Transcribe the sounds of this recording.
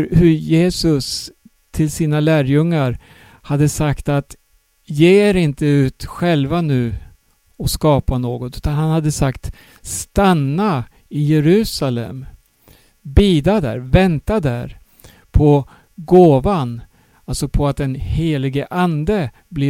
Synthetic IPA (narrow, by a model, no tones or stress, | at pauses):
hɵɾjeːsɵs | t̪ʰɪlsiːnalæːɾjɵŋːaɾ | had̪ːəsakt̪at̪ | jeːeɾɪnt̪əʉ̟ːt̪ɧɛlvanʉ̟ː | ɔskɑːpanoːɡɔt̪ʉːt̪anhanhad̪ːəsakt̪ | st̪anːa | ɪjɛɾʉ̟ːsalɛ̰m | biːd̪ad̪æ̰ːɾvɛnt̪ad̪æ̰ɾ | pʰɔ | ɡoːvan | alsɔpʰɔat̪̚d̪ɛnheːlɪɡəʔand̪ə | blɪ